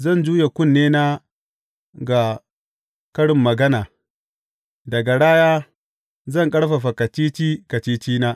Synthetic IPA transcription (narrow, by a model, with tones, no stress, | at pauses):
zɐ˦˨nd͡ʒuː˦je˨kʷʊ˦˨nːeː˦na˦ | ɡa˨ | kɐ˦ɽɪ˨mːɐ˨ɡɐ˦naː˨ | dɐ˨ɡa˨ɽaː˦jaː˦ | zɐ˦˨ŋkʼɐ˦ɽɸa˨ɸa˨kɐ˨t͡ʃiː˦t͡ʃiː˦kɐ˨t͡ʃiː˦t͡ʃiː˦naː˦